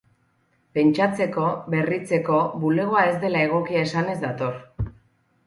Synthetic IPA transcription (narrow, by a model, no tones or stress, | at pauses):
pe̞nt͡ʃat͡se̞ko̞βe̞rit͡se̞ko̞βule̞ɣ̞o̞ae̞zd̪e̞lae̞ɣ̞o̞kiaesane̞zd̪at̪o̞r